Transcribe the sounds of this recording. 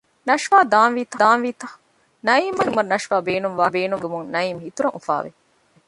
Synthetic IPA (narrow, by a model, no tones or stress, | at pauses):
nɐʃʋaːd̪aːnʋiːt̪ɐd̪aːnʋiːt̪ɐ | nɐiːmɐnumɐɾnɐʃʋaːbeːnuŋʋaːbeːnuŋɡemuŋnɐiːmhit̪uɾɐŋufa̰ːʋḛ